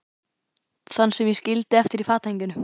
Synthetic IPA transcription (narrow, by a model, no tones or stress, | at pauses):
θanːsɛmjɛscɪlt̪ɪɛft̪ɪɾifaːt̪ejɲcʏnʏ